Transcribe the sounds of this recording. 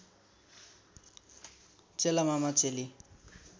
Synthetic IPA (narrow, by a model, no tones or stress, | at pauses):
t͡selamamat͡seli